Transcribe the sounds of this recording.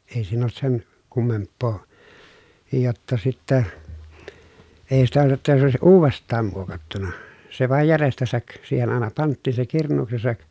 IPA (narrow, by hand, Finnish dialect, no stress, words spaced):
ei siːn olt sen kumːempːoː jotːɑ sitːæ eˑi sitæ jotːɑ se oˑesiʔ ʔuːʋestˑɑːm muokɑtːunɑ se ʋɑˑej jærestæsæk siːhen ɑˑenɑ pɑntːiˑn se kirnˑuːksesɑk